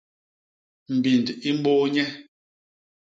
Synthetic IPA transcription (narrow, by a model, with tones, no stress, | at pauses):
m̩˨bi˨ndi˦m̩˦bo˦ɲɛ˦